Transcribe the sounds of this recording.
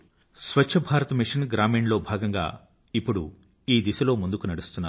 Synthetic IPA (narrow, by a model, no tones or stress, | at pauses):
sʋɐt͡ʃʃʰɐbʱaːɾɐt̪ɐmiʂɐnɡɾaːmiːɳlo̞ːbʱaːɡɐŋɡa̰ː | ipːuɽṵ | iːd̪isɐlo̞ːmund̪ukunɐɽust̪unːaː